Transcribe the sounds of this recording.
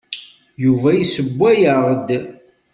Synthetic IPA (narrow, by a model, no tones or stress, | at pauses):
juvæjisəbʷːæjəʁd̪